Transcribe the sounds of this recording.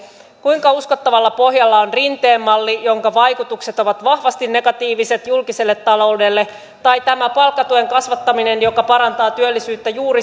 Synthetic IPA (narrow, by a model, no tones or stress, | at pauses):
kuiŋkɑusko̞t̪ːɑʋɑlːɑpo̞ɦjɑlːɑonrint̪eːmːɑlːijo̞ŋkɑʋɑjkut̪ukse̞t̪o̞ʋɑt̪ʋɑhʋɑst̪inːe̞ɡɑt̪iːʋise̞t̪julkise̞lːet̪ːɑlo̞wde̞lːe | t̪ɑjt̪æmæpɑlkːɑt̪ueŋkɑsʋɑt̪ːɑmine̞njo̞kɑpɑɾɑnt̪ɑːt̪yølːisyːt̪ːæjuːɾi